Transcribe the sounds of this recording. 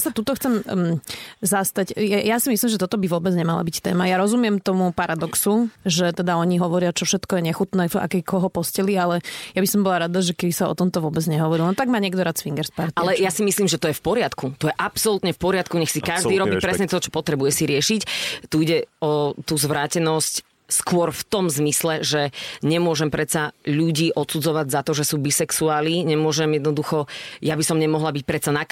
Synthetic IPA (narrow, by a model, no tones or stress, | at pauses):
sat̪ut̪ɔxt͡sɛm | zast̪acjajasimislimʒɛt̪ɔt̪ɔbiʋɔbɛd͡zɲɛmala̰bict̪ɛ̰ːmajaɾɔzumɪɛmt̪ɔmupaɾad̪ɔksuʒɛt̪ɛd̪aɔɲiɦɔʋɔɾɪat͡ʃɔfʃɛt̪kɔjɛɲɛxut̪nɛːfa̰kɛkʰɔɦɔpɔscɛlialɛjabisɔmbɔlaɾad̪aʒɛkɛbisaɔ̰t̪ɔmt̪ɔʋʊɔbɛd͡zɲɛɦɔʋɔɾilnɔt̪aɡmaːɲɛɡd̪ɔɾaːt̪t͡sfiŋɡɛɾspaɾt̪alɛjasimisliːmʒɛt̪ɔjɛfpɔɾɪat̪kut̪ɔjɛʔapsɔlut̪ɲɛfpɔɾɪat̪kuɲɛxsikaʒd̪iːɾɔbiːpɾɛsɲɛt̪ɔt͡ʃɔ̥pɔt̪ɾɛbujɛsiɾɪɛʃict̪uiɟɛɔt̪uːzʋɾaːcɛnɔsc | skʊɔɾft̪ɔmzmislɛʒɛɲɛmʊɔʒɛmpɾɛt̪saʎuɟiːʔɔt̪sud͡zɔʋaɟzat̪ɔʒɛsuːbisɛksuaːlniːɲɛmʊɔʒɛmjɛd̪nɔd̪uxɔjabisɔmɲɛmɔɦlabic̚pɾɛt̪sana